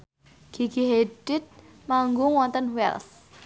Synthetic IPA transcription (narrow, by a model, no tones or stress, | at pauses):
ɡ̥iɡiɦeɖɪt̪̚ | maŋɡʊŋwɔnt̪ənwɛ̰ls